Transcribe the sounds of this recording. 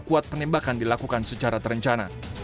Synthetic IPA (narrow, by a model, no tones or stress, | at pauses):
kuat̪̚pənɛmbakandilakukansət͡ʃaɾat̪əɾəɲt͡ʃana